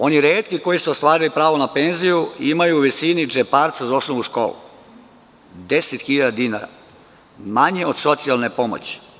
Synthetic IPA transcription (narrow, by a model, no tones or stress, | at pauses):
o̞niɾeːt̪kiko̞jisuost̪ʋaːɾilipɾaːʋonape̞nzijuimajuːʋisinid͡ʒepaːɾt̪sazao̞snoʋnuʃko̞̰ːlṵ | d̪eset̪xiʎad̪ad̪inaɾa̰ | maɲeod̪̥so̞t̪sijalne̞po̞mo̰t͡ɕi̥